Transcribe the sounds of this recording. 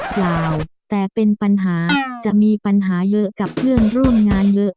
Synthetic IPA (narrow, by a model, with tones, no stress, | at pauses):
jlaː˨˩wt̪ɛː˨˩pe˧npa˧nɦaː˩˦t͡ɕa˨˩ʔmiː˧pa˧nɦaː˩˦jɤ˦˥ʔka˨˩p̚pʰɯ˥˩ənɾu˥˩mŋaː˧njɤ˦˥ʔ